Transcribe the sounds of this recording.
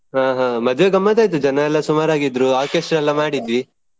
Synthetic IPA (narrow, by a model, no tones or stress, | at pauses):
ɦaːɦãːmɐd̪ʱʋeɡɐmːɐd̪aːjt̪̬ud͡ʒɐnɐɛlːɐsumaːɾaːɡid̪ɾuaːkeːsʈɾɛlːɐmaːɽid̪ʋi